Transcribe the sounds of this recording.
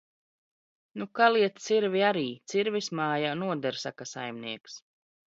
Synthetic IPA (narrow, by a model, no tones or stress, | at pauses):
nukalˠiɛt̪t̪siɾvʲiaɾiːt̪siɾvismaːjanuɔd̪ɛɾsa̰kasa̰jmniɛks